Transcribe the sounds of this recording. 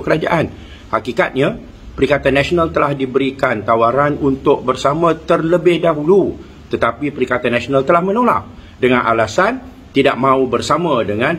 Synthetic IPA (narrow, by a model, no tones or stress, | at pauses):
kəɾad͡ʒa̰ʔan | hakikat̪̚ɲã | pəɾikat̪anːasonalt̪əlahdibəɾikant̪awaɾanunt̪ʊk̚bərsamãt̪ərləbɪhdaɦulu | t̪ət̪apipəɾikat̪anːãsonalt̪əlahmə̃nola̰p̚ | dəŋãnʔa̰lasan | t̪idaʔ̚mãubərsamãdəŋãn